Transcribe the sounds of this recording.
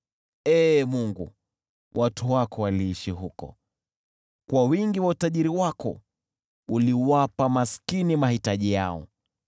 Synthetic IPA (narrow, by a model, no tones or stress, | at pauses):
ɛːmuŋɡṵ | wʔatʰuwakɔwaliːʃiɦukɔ̰ | kwawiŋɡiwautaʄiɾiwakɔ̰ | uliwapamaskinimahitaʄijaɔ̰